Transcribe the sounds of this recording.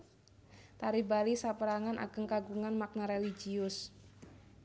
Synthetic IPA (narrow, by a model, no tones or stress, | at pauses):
t̪aɾibalisapəɾaŋanʔa̰ɡ̥əŋkaɡuŋanmak̚naɾelid͡ʒiʊs